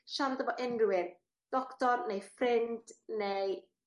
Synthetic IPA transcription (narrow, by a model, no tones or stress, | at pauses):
ʃandəbɔʔɪnrʊwɪð | d̥ɔktɔɾnejfrɪndnej